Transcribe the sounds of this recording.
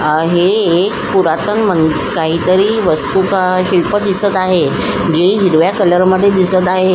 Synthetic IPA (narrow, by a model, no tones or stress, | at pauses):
ɦeːkpuɾat̪ənmən | kaɦiːt̪əɾiːʋəst̪ukaɕilpəd̪isət̪aɦe | d͡ʑeiɦiɾʋjakələɾməd̪ʱːjed̪isət̪aɦe